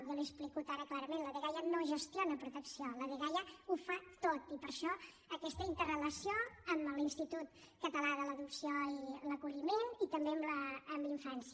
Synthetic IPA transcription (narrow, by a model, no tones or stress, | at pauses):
βəliəsplikut̪aɾəklaɾəmenləðəɣajənoʒəst̪jonəpɾut̪əksioləðəɣajəufat̪ot̪ipəɾʃɔ | əkɛst̪əint̪ərələsioəmlinst̪it̪ut̪ | kət̪əlaðələðuksioiləkuʎimenit̪əmbeəmləːmliɱfansiə